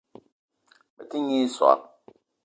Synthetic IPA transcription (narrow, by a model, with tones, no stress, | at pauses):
bɛ˨ti˦ɲi˦sa̰˨